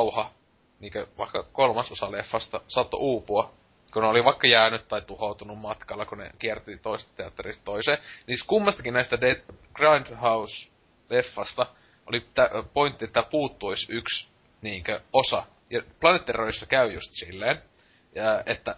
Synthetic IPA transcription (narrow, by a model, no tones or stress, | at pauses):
uhɑ | niːŋkøʋɑ̰ikːɑkolmɑsosɑlefːɑst̪ɑsɑt̪ːo̰ʔuːpuɑ | kuneoliʋɑikːɑjæːnyt̪tɑit̪uhout̪unummɑt̪kɑlːɑkunḛkiɛrt̪it̪oisest̪t̪eɑt̪ːerist̪t̪oiseːniːskumːɑst̪ɑ̥kinnæist̪ædeɡ̥rɑnd̪hɑus | lefːɑst̪ɑ | ʔo̰lit̪æpoint̪ːiet̪ːæpuːt̪ːuisyks | niːŋkøosɑ | jɑplɑnet̪ːeroisːɑkæyjṵst̪silːeːn | əːʔet̪ːæ